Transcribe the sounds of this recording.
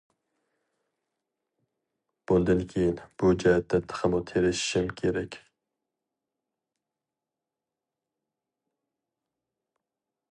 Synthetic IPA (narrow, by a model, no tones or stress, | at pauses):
b̥und̪ɨnkʲʰejinb̥ud͡ʒɑhɛt̪ʰːɛt̪ʰːə̥χʰəmut̪ʰeɾɪʃɪ̥ʃɪmkʲʰeɾɛkʲ